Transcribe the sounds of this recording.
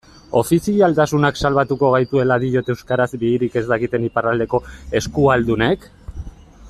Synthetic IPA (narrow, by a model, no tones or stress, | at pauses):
o̞fisialt̪asunaksalβ̞at̪uko̞ɣ̞ajt̪ue̞laðiʎo̞t̪eewskaɾazbiːɾike̞zd̪akit̪e̞niparald̪e̞ko̞e̞skuald̪une̞k